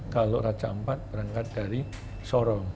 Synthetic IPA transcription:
kalorat͡ʃaəmpat̪̚b̥əɾaŋkat̪̚daɾi | sɔɾɔŋ

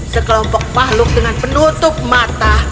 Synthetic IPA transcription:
səklɔŋpɔk̚pahluk̚t̪ɨŋanpnuət̪up̚mat̪ah

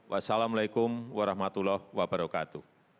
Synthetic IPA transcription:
wʔasalamlajkʊmwaɾahmat̪ulɔhwabaɾakat̪u

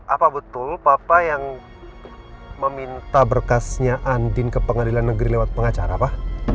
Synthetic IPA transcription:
ʔapabət̪ʊlpapajaŋ | məmint̪abərkasɲaʔandɪnkəpəŋadilanːəɡɾilewat̪̚pəŋat͡ʃaɾapa

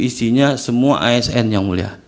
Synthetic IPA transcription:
isiɲasəmua̰ʔaɛsɛnjaŋmulia̰

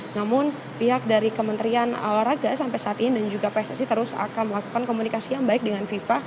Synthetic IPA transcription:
namʊn | piɦak̚daɾikəmənt̪əɾiana̰laɾaɡasampajsaat̪inidand͡ʒuɡapɛsasit̪əɾʊsa̰kanməlaku̥kankomunikasijaŋbaɪk̚dəŋanfifa

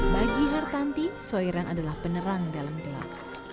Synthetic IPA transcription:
baɡiɦart̪ant̪isoiɾanadalahpənəɾaŋdalamd̪əla̰

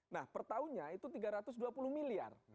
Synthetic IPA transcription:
nahpərt̪auɲait̪ut̪iɡaɾat̪ʊsduapulʊhmilia̰r

